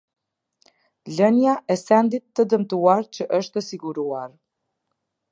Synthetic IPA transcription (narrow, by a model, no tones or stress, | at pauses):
lənjaʔɛsɛnd̪it̪ːəd̪əmt̪uaɾt͡ɕəʔəʃt̪əsiɡuɾuaɾ